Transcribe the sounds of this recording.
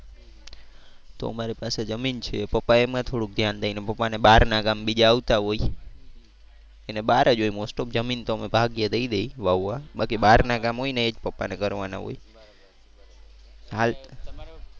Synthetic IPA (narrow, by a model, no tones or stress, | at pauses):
t̪o̰ə̰maɾipased͡ʒəmint͡ʃʰepəpːaemãt̪ʰoɽuk̚d̪ʱjand̪ainepəpːaneɓaɾnaɡambid͡ʒaːʋt̪aɦoi | eneɓaɾad͡ʒojmosʈop̚d͡ʒəmint̪oəmebʱaɡjad̪əid̪ejʋaʋːaɓakiɓaɾnaɡamɦojneed͡ʒpəpːa̰nekəɾʋana̰ɦo̰j | ɦal